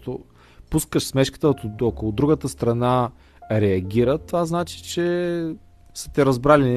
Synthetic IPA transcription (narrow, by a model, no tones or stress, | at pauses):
t̪o | puskəʃsmɛʃki̥t̪ət̪okolˠʊd̪ɾuɡət̪əst̪ɾɐna | ɾɛɐɡʲiɾət̪ovaznat͡ʃi̥t͡ʃɛ | sə̥t̪ɛɾɐzbɾalin